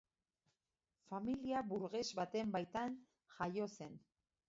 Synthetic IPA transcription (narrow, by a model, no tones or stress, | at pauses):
familiaβuɾɣe̞zβat̪e̞mbajt̪an | ʝajo̞se̞n